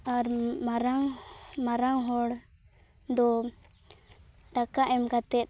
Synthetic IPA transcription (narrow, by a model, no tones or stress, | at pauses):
aɾmaɾaŋmaɾaŋɦɔɽ | d̪ɔ | ʈakaʔɛmkat̪ɛt̪̚